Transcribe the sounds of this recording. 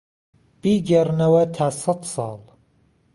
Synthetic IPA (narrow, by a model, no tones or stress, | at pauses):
b̥iːɡernɐwɐt̪ʰaːsɑd̪sɑ̰ːlˠ